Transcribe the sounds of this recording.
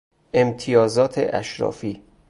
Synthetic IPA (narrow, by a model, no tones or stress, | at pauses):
ʔe̞mt̪ʰijɒːzɒːt̪ʰḛʔæ̰ʃɾɒ̰ːfiː